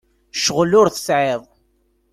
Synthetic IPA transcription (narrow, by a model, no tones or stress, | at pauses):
ʃəʁlʊɾθə̥sʕeðˤ